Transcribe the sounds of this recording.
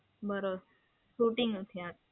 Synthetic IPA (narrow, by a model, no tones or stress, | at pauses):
bəɾo | suʈiŋɡut̪ʰjat̪̚